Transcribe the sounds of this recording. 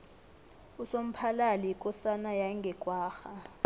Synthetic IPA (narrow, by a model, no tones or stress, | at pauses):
usom̩pʰalalikʼɔsanajaiŋɡʱɛɡ̥ʱʼwaːxa